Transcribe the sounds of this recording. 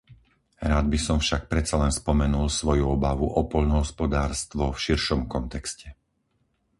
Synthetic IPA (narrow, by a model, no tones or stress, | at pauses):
ɾaːd̪bisɔmfʃak̚pɾɛt͡salɛnspɔmɛnulsʋɔjuɔbaʋuʔɔpɔʎnɔɦɔspɔd̪aːɾst̪ʋɔfʃiɾʃɔmkɔnt̪ɛkscɛ